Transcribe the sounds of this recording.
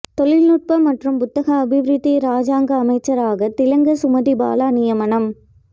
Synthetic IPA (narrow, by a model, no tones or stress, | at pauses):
t̪ɔɭɪlnʊʈ̚pɐmɐʈrɯmpʊt̪ːɐɣɐɐbʱɪʋɾɯðiɾaːd͡ʒaːŋɡɐːmɐɪt͡ʃːɐɾaːɣɐt̪ɪlɐŋɡɐsʊmɐðiba̰ːlaːnɪjɐmɐɳɐm